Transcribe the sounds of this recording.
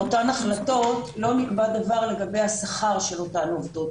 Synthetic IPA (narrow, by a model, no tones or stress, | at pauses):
otanaχlato̞tlo̞nikbad̪avaʁle̞ɡabe̞jhasaχaʁʃelo̞tanovd̪ot